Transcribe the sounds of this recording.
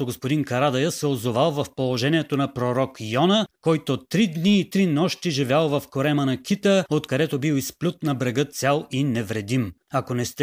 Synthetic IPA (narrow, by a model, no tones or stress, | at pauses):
oɡospod̪inkɐɾad̪ɐjəsɛozovalˠvɐfpolˠoʒɛniɛt̪onɐpɾoɾɔkjɔnəkɔjt̪ot̪ːɾid̪niːt̪ɾinɔʃt̪iʒivʲjalˠvɐfkoɾɛmənɐkʰʲit̪əot̪kɐd̪ɛt̪obiwˠisplʲut̪nɐbɾɛɡɤt̪sʲjalˠinɛvɾɛd̪imɐkonɛst̪ɛ